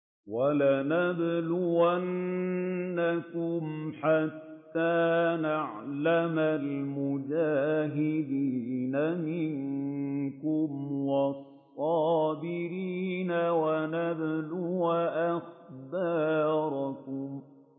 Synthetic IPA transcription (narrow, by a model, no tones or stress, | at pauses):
walanablʊwanː | akʊmħat̪ːaːnaʕlamalmʊd͡ʒaːɦɪd̪iːnamɪŋ | kʊmwɑsˤːɑːbɪɾiːnawanablʊwaʔaxbɑːɾˤkʊm